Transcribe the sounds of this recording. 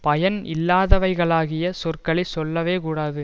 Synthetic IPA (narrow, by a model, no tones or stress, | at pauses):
pɐjɐnɪlːaːðɐʋɐɪɣɐɭaːɣɪjɐsɔrkɐɭɪsɔlːɐʋeːkuːɽaːðɯ